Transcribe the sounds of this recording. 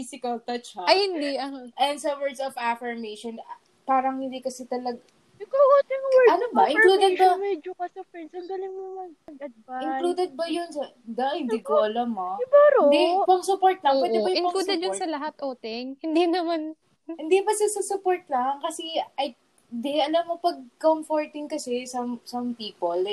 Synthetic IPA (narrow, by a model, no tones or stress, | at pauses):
fisɪkɐlt̪ɐt͡ʃɐɐjhɪnd̪iʔɐʔɛnsɐwɛɹd̪sɔfafɐɹmejʃon | paːɾɐŋhɪnd̪ikɐsɛt̪ɐlɐɡ | ɪkooːt̪ɪŋɐnobɐʔɪ̃ŋluːd̪ɛd̪bɐmɛd͡ʒokɐsɐfɛnsɐŋɡɐlɪŋmomɐɡɐɡɐd̪̚baɪŋluːd̪ɛd̪̚bɐjʊnsɐ | d̪ɐhɪnd̪ikoʔɐlɐmːoɪbɐɾod̪ipɐŋsʊpoɹt̪̚lɐŋpːwɛɪbɐjɪɐklud̪ɛd̪josɐlɐɦat̪ʔoːt̪ɪŋhɪnd̪inɐman | hɪnd̪ibɐsɐsɐsʊpoɹt̪laŋkɐsɛʔɐj | d̪ɛʔɐlɐmopɐɡ̚komfoɹt̪ɪŋkɐsɛsɐmsɐmpiːpol